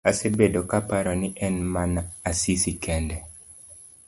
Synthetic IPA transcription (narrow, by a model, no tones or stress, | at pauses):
asebedokapaɾɔnɪʔɛnmanaasisikɛndɛ